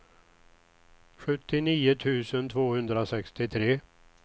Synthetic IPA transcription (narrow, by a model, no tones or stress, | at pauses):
ɧɵt̪ːɪniːʊt̪ʰʉ̟ːsənt̪ʰvoːhɵnd̪ɾasɛkst̪ɪt̪ʰɾeː